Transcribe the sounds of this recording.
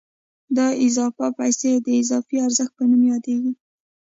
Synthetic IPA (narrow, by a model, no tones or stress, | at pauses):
d̪ɑɪzɑfapajsed̪əɪzɑfiaɾzəxt̪̚pənumjɑd̪eɡi